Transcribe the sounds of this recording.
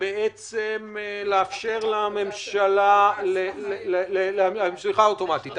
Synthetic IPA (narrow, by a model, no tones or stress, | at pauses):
beʔet͡semleafʃe̞ʁlame̞mʃalalellelamamsliχaoto̞mat̪it̪